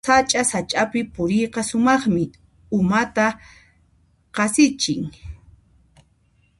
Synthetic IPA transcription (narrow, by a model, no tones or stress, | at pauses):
sat͡ʃʼasat͡ʃʼapɪpʊɾɪjqɑsʊmɑχmɪ | ʊmat̪a | qɑsɪt͡ʃɪŋ